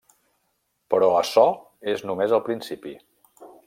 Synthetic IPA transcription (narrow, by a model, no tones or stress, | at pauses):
pəɾɔəsɔ | eznumezəlˠpɾinsipi